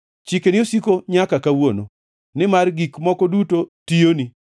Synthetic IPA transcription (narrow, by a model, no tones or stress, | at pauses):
t͡ʃikenɪosikoɲakakawono | nɪmarɡikmɔkɔdutotijoni